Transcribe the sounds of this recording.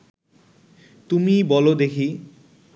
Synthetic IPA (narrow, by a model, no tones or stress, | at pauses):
t̪umibɔlod̪ekʰi